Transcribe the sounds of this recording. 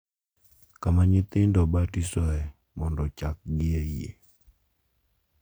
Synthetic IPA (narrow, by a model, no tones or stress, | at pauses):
kamaɲɪt̪ɪndɔbatisɔɛ | mɔndɔt͡ʃak̚ɡɪeiḛ